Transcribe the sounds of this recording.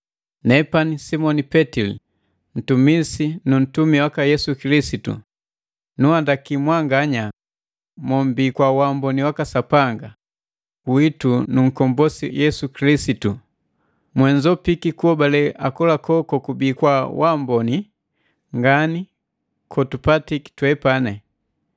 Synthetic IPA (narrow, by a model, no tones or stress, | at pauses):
nɛpanisimɔnipɛtilḭ | n̩tumisinun̩tumiwakajɛsukilisitṵ | nuandakimwaŋɡaɲa | mɔm̩biːkwawambɔniwakasapaŋɡa | witunuŋ̩kɔmbɔsijɛsukilisitu | mwɛɲd͡ʒɔpikikuɔbalɛʔakɔlakɔkɔkubiːkwawambɔni | ŋɡani | kʰɔtupatiki̥twɛpanɛ